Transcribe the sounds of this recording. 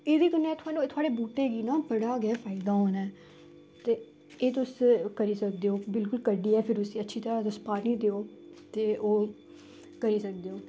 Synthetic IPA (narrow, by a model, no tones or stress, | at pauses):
eːd̪iːkənːɛːt̪ʰʊaːnũt̪ʰʊaːɽeːbuːʈeːɡiːnãːpəɽaːɡɛːfʰaːid̪aːɦoːnɛː | t̪eː | eːt̪ʊskəɾiːsək̚d̪eːoːbɪlkʊlkəɖiːɛːpʰɪɾʊsiːətːʃʰiːt̪əɾaːt̪ʊspaːniːd̪eːoːt̪eːʔoː | kəɾiːsək̚d̪eːoː